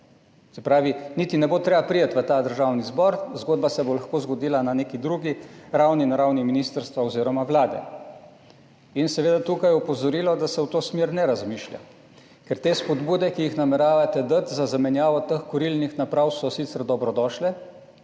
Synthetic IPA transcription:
sɛpɾaːʋinit̪inɛbot̪ɾeːbapɾijət̪ʋət̪aːd̪əɾʒaːwnizbɔɾzɡoːd̪basɛbolaxkoːzɡɔd̪iːlananeːkid̪ɾuɡiɾawninaɾawniminiːst̪əɾst̪ʋaɔziːɾɔmaʋlaːd̪ɛ̰ | insɛʋeːd̪at̪ukajɛupɔzɔɾiːlɔd̪asɛwt̪oːsmeːɾnɛɾazmiːʃlja̰ | kɛɾt̪eːspɔd̪buːd̪ɛkijixnamɛɾaːʋat̪ɛd̪ət̪zazamɛnjaːʋɔt̪əxkɔɾilnixnapɾawsɔsiːt̪sɛɾd̪ɔbɾɔd̪ɔʃlɛ

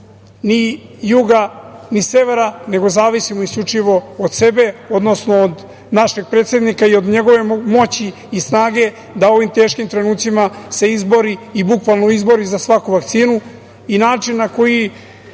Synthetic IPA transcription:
nijuɡanise̞ʋe̞ɾane̞ɡo̞zaːʋisimoiskʎut͡ʂiʋo̞od̪se̞be̞od̪no̞snoːd̪ | naʃeɡ̚pɾet̪se̞d̪nikaio̞d̪ɲe̞ɡo̞ʋe̞mo̞t͡ɕiː | snaːɡe̞ | d̪ao̞ʋimt̪e̞ːʃkimt̪ɾe̞nuːt̪simase̞izbo̞ɾiibukʋalˠnoizbo̞ɾizasʋakuʋakt̪siːnu | inaːt͡ʂinːako̞ji

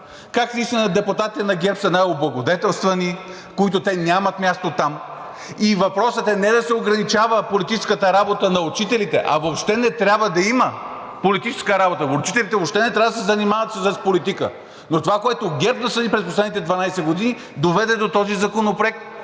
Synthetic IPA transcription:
kakslisinɐd̪ɛpʊt̪at̪it̪ɛnɐɡʲɛɾpsɐnajoblˠɐɡod̪ɛt̪ɛlˠst̪vɐni | koit̪̬ot̪ɛnʲjamɐt̪mʲjast̪ot̪am | ivɐpɾɔsət̪ɛnɛd̪ɐsɛoɡɾɐnit͡ʃavəpolit̪it͡ʃɛskət̪əɾabot̪ənɐʊt͡ʃit̪ɛlit̪ɛʔɐ̰vopʃt̪ɛnɛt̪ɾʲjabvəd̪ɐimə | polit̪it͡ʃɛ̥skəɾabot̪əot͡ʃit̪ɛlit̪ɛvopʃt̪ɛnɛt̪ɾavəd̪sɛzɐnimavɐt̪səsɐspolit̪ikə̰ | not̪ovakoɛt̪oɡʲɛɾpnɐsɐnipɾɛsposlɛd̪nit̪ɛd̪vɐnajsɛɡod̪ini | d̪ovɛd̪ɛd̪ot̪ɔzizɐkonopɾɛk

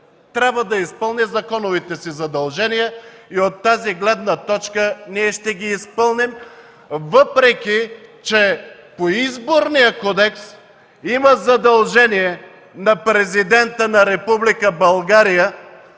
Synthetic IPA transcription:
t̪ɾʲabvəd̪ɐispɤlˠnizɐkɔnovit̪ɛsizɐd̪ɐlˠʒɛnijəiot̪ːaziɡlɛd̪nət̪ɔt͡ʃkəniɛʃt̪ɛɡiːspɤlˠnim | vɤpɾɛkʲit͡ʃɛ | poizboɾnijəkɔd̪ɛks | iməzɐd̪ɐlˠʒɛnijɛ | nɐpɾɛzid̪ɛnt̪ənɐɾɛpublikəbɐlˠɡaɾijə

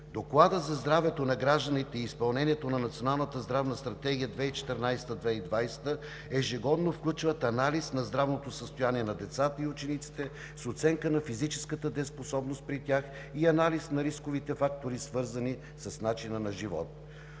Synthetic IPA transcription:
d̪oklˠad̪əzɐzd̪ɾavɛt̪onɐɡɾaʒd̪ənit̪ɛiːspɐlˠnɛnʲiɛt̪onɐnɐt̪sijonalˠnət̪əzd̪ɾavnəst̪ɾɐt̪ɛɡʲijəd̪vɛit͡ʃɛ̥t̪ɛɾnajst̪əd̪vɛid̪vajst̪ə | ɛʒɛɡɔd̪nofklʲut͡ʃvət̪ɐnalisnɐzd̪ɾavnot̪osəst̪ojaniɛnɐd̪ɛt̪sat̪əiut͡ʃɛnit̪si̥t̪ɛ | sot̪sɛŋkənɐfizit͡ʃɛ̥skət̪əd̪ɛsposɔbnost̪̚pɾit̪ʲax | iɐnalisnɐɾiskovit̪ɛfak̚t̪oɾisvɤɾzəni | səsnat͡ʃinənɐʒivɔ̰t̪̚

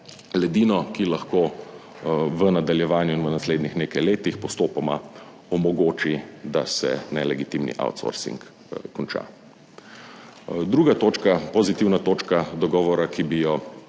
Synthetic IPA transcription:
lɛd̪iːnɔkilaxko | ʋənad̪aljɛʋaːnjuinʋənasleːd̪nixneːkajleːt̪ixpɔst̪oːpɔma | ɔmɔɡoːt͡ʃid̪asɛ̰nɛlɛɡit̪imnḭʔa̰wt̪sɔ̰ɾsḭŋk | kːɔnt͡ʃa̰ | d̪ɾuːɡat̪oːt͡ʃkapɔzit̪iwnat̪oːt͡ʃkad̪ɔɡɔːʋɔɾakibijɔ

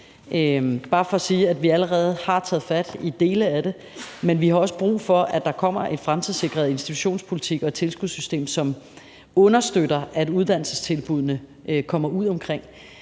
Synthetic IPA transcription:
ʔøb̥ɑ̈ːfɒ̽ːsiːædʋiæləʁɛːð̞̩ˠhɑ̈t͡sʰɛ̰ːð̞̩ˠfæd̥id̥e̝ːləæd̥e̝ | menʋihɑ̈ɒ̽sə̥b̥ʁṵːfɒ̽æd̥ɑ̈kʰɒ̽m̰ɐʔe̝nfʁamt͡sʰiðˠse̝ɡ̥ʁɐð̞̩ˠe̝nsd̥i̥t͡sʰu̥ɕo̝̰ːnspʰo̝lit͡sʰiɡ̥ɒ̽e̝̥t͡sʰe̝lsɡ̥uð̰ˠsysd̥e̝̰ːmsɒ̽m | ɔ̽nɐsd̥øɾɐʔæduð̞ˠd̥æn̰l̩səst͡sʰe̝lb̥uð̞̰ˠnə | kʰɒ̽m̰ɐuð̞̰ˠɒ̽mkʰʁeŋ̰

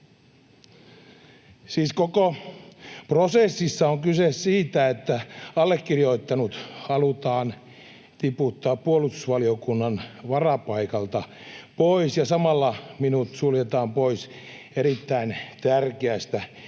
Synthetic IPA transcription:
siːskoko | prosesːisːɑoŋkysessiːt̪æet̪ːæɑlːekːirjoit̪ːɑnut̪hɑlut̪ɑːn | t̪iput̪ːɑːpːuolust̪u̥sʋɑliokunːɑnʋɑrɑpɑikɑlt̪ɑ | poisjɑsɑmɑlːɑminut̪suljet̪ɑːmpois | eɾit̪ːæint̪ærkeæst̪æ

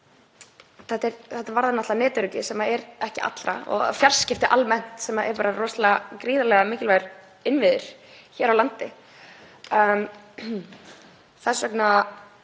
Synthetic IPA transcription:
θɛt̪ːɛɾθɛht̪ːavaɾðanat̪anɛːt̪ʏɾʏc̪ɪsɛmaɛɾɛhcɪa̰t̪lɾa̰ɔ̰ɣfjar̥scɪft̪ɪʔalmɛn̥t̪sɛmaʔɛ̰ɾpaːɾarɔst̪lakɾiːðalɛɣamɪːcɪlvajɾ | ɪnvɪðʏɾ̥ | çɛːɾawlant̪ɪ | θḁsœkna

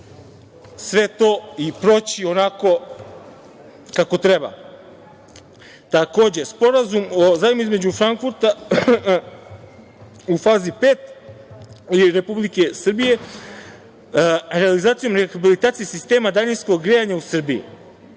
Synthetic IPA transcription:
sʋe̞t̪o̞ipɾo̞t͡ɕio̞nako̞ | kako̞t̪ɾe̞ba̰ | t̪ako̞ːd͡ʑe̞spo̞ɾazumozaːjmoizme̞d͡ʑufɾaŋkfuɾt̪a | ufaːzipeːt̪ | iɾe̞publike̞srbije̞ | ɾe̞alizaːt̪sijo̞mɾexabilit̪aːt̪sijesist̪e̞ːmad̪aɲinsko̞ɡɡɾejaɲausr̩bijṵ

